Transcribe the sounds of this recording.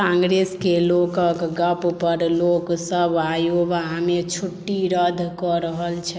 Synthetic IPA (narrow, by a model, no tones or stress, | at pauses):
ãŋɡɾeskelokəkɡəppəɾloksəbajobɦamet͡ʃʰuʈːiɾəd̪ʱkɔɾəɦəlt͡ʃʰɛ